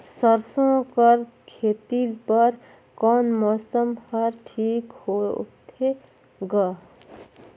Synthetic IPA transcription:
səɾsõkəɾ | kʰeːt̪iːlpəɾ | kɔːnmɔːsəmhɐɾʈʰiːkhoːt̪ʰe | ɡaː

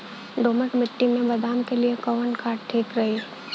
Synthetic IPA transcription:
ɖoːməʈmɪʈːimẽbɐd̪aːmkeliekɔʋənkʰaːʈʈʰeːkɾɐɦi

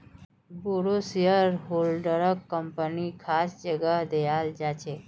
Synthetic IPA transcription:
buɾosijəɾɦolɖəɾəkːəmpənikʰasd͡ʒəɡəɦd̪eʋald͡ʒat͡ʃʰe

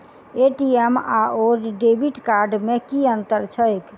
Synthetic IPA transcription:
eʈiemaoɾɖebiʈkaɾɖmẽkiənt̪əɾt͡ʃʰəjk

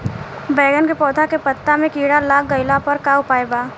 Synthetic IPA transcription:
bɛːɡənkepɔːd̪ʰakepət̪ːamẽkiːɽalaːk̚ɡɐɪlapɐɾkaːʊpaːjbaː

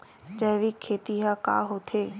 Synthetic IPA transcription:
d͡ʒəɦʋikʰːeːt̪iɦaka̰ːɦot̪ʰeː

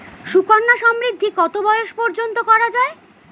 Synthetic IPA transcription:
ʃukanːaʃɔmɾid̪ʱːikɔt̪obɔeoʃpɔɾd͡ʑont̪okɔɾad͡ʑae

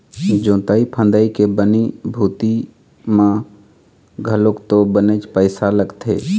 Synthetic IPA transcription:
d͡ʒõːt̪aipʰə̃nd̪aikebənibʱuːt̪i | mã | ɡʱəlokt̪obənet͡ʃpəɪsaləɡt̪ʰḛː

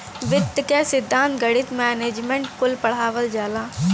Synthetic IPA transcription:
ʋɪd̪kɛsɪd̪ʱːãːnt̪ɡəɽɪt̪mɛːneːd͡ʒmẽɳʈkʊlpɐɽ̤aːʋəld͡ʒaːlaː

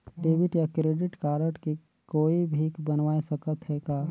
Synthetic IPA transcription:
ɖeːbɪʈjakɾeːɖɪʈkaːɾəʈki | koːibʱikbənʋaːesɐkət̪ɦɛɡaː

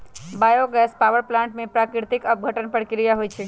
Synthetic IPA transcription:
bajoɡɛspaʋəɾplãɳʈmẽpɾakɾɪɾt̪ɪkəp̚ɡʱəʈənpəɽkiɾijaɦojt͡ʃʰe

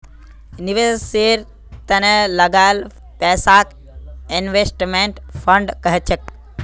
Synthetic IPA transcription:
niʋeseɾ | t̪ɐnelɐɡal | pɛːsaːk | inʋesʈmeɳʈpʰəɳɖkəɦet͡ʃʰek̚

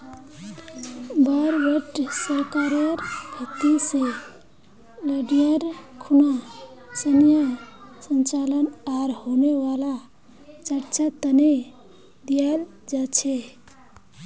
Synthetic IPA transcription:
baɾbəʈsəɾkaɾəɾɡʱət̪ise | ləɖijəɾkʰunasənjəsənt͡ʃalənaɾɦoneʋala | t͡ʃəɾt͡ʃat̪əne | d̪ijal | d͡ʒat͡ʃʰɛ

